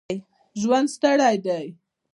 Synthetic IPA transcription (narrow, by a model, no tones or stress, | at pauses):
j | ʒwand̪st̪aɽajd̪aj